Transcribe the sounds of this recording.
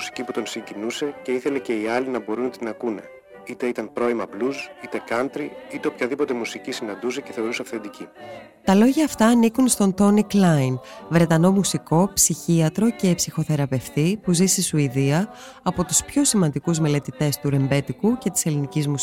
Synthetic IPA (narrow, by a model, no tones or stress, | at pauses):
si̥ciput̪o̞nsiɲɟinuse̞ce̞iθe̞le̞ce̞iɐlinɐbo̞ɾunt̪inɐkune̞̰ | it̪eit̪ɐnpɾo̞imɐblusit̪e̞kɐnt̪ɾiit̪eo̞pçɐðipo̞t̪e̞musicisinɐnd̪use̞ceθe̞o̞ɾuseɐfθe̞nd̪ici | t̪ɐlo̞ʝɐːft̪ɐːnikunst̪o̞nt̪o̞niklɐinvɾe̞t̪ɐno̞musiko̞psiçiɐt̪ɾo̞ce̞ːpsixo̞θe̞ɾɐpe̞ft̪ipuzisisuiðiɐː | po̞t̪uspço̞simɐnd̪ikuzme̞le̞t̪it̪e̞st̪uɾe̞mbe̞t̪ikuce̞t̪i̥se̞linicizmus